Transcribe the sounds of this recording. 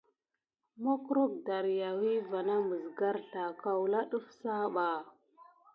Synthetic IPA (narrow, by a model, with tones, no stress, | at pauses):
mo˦kɾo˦k̚da˨ɾja˨wi˦va˨na˦mə˨zɡa˦ɾɬa˨ka˨wla˦ɗu˦fsa˦ɓa˨